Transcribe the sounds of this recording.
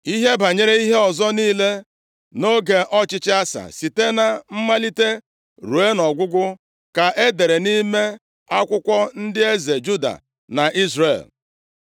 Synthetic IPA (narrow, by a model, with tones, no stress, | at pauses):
i˦ɦe˦ba˨ɲe˦ɾe˦i˦ɦe˦ɔ˨zɔ˦niː˦le˦ | no˦ɡe˨ʔɔ˦t͡ʃɪ˦t͡ʃɪ˦a˦sa̰˨si˨te˦na˨m̩˦ma˦li˦te˦ | ɾu˨e˦nɔ˨ɡʷʊ˦ɡʷʊ˦ | ka˨ʔe˦de˨ɾe˨ni˦me˦ | a˦kʷʊ˦kʷɔ˦n̩˦dɪ˦e˦ze˨d͡ʒu˦da̰˨ | na˨ʔi˦zrḛ˨l